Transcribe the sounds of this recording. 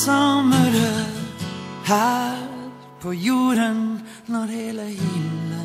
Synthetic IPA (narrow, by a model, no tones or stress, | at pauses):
sɔməɾə | ha | pʰɔjuːɾən | nɔɾheːləhɪmnə